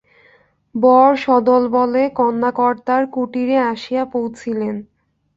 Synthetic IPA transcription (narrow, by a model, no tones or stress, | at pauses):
bɔɾʃɔd̪olbɔlekɔnːakɔɾt̪aɾkuʈiɾeaʃijapowt͡ɕʰilen